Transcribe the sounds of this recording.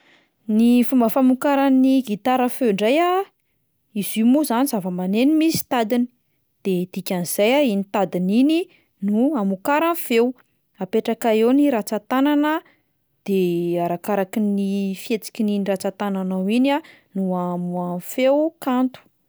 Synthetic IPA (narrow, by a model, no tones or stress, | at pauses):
nifumbəfamukaɾaniɡit̪aɾəfewɳɖ͡ʐaja | izimuzanizavəmanenimisi̥t̪ad̪ini̥ | d̪̥ed̪̥ikʲanz̥ajainit̪ad̪inini | nuamukaɾanfew | apeʈ͡ʂakaewniɾat͡sat̪ananə | d̪̥eaɾakaɾakinifiet͡si̥kʲininirat͡sat̪ananawina | nuamuafewkant̪u̥